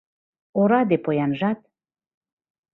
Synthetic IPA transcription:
oɾɑd̪epojɑnʒɑt̪̚

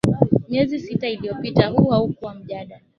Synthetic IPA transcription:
mjɛzisitailijɔpitahuwaukuwam̩ʄaɗa

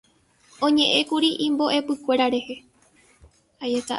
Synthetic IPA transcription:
õ̞ɲẽ̞ʔẽ̞kuɾiʔĩmbo̞ʔe̞pɨkʷe̞ɾaɾe̞he̞ | ajet̪a̰

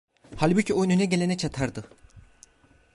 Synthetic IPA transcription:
halʲbucʰio̞jnunaɟe̞lʲenɛt͡ʃʰat̪ʰaɾd̪ɯ

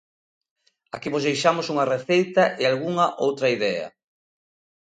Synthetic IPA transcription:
akiβozðejʃamosuŋɐreθejt̪ɐʔealɣuŋɐʔowt̪ɾɐiðɛɐ̰

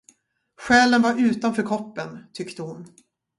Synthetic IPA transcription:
ɧɛːlənvaɾʉ̟ːt̪anfœːɾkʰɔpːənt̪ʰʏkt̪əhʊn

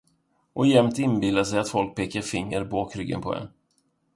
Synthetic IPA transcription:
ʔɔjɛmt̪ɪnbɪld̪aʂ̬ɛjat̪fɔlk̚pʰeːkaɾfɪŋːəɾboːkʰɾʏɡːə̰npʰɔ̰ɛ̰n

